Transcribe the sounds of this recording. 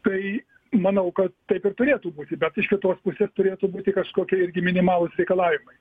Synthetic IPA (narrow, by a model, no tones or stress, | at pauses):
t̪ɐɪ | mɐnɐʊkɐt̪tɐɪpɪɾt̪ʊɾʲeːt̪uːbuːt̪ʲɪbʲɛt̪ɪʃkʲɪt̪oːspʊsʲeːst̪ʊɾʲeːt̪uːbuːt̪ʲɪkɐʃkoːkʲiɪɾʲɡʲɪmʲɪnʲɪmɑːlˠʊsɾʲɛɪkɐlˠɑːʋʲɪmɐɪ